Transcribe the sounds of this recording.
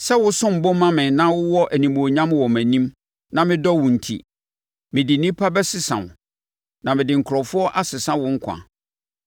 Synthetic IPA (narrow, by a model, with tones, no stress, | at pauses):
sɛ˦wʊ˦sʊ̃˦m̩˨bʊ̃˦mã˦mɪ̃˨nã˦wʊ˦wɔ˦ʔæ˨nĩ˨mo˨o˨ɲã˦mwɔ˨mæ̃˨nĩ˦m | nã˦˨mɪ̃˦dɔ˦wʊ̃˨n̩˨tʰḭ˨ | mɪ̃˨dɪ˨nĩ˦pʰa˦bɛ˦sɪ˦sã̰˨wʊ̰̃˨ | nã˨mɪ̃˨dɪ˨ŋ̩˨kʰɾɔ˨fʊ˦ɔ˦ʔa˦sɪ˨sã˦wʊ̃˦ŋ̩˦kʷʰã̰˨